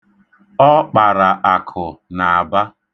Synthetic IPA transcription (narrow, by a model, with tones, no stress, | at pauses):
ɔ˦k͡pa˨ɾa˨ʔa˨kʰʊ˨na˨a˨ba˦